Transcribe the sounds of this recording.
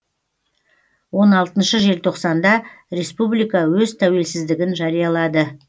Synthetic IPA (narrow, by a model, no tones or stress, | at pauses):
wo̞nɑlˠt̪ənʃəʒe̞lt̪ʰo̞qsɑnd̪ɑ | ɾe̞spublijkɑwɵzt̪ʰæwe̞lsɪzd̪ɪɡʲɪnʒɑɾijɑlˠɑd̪ə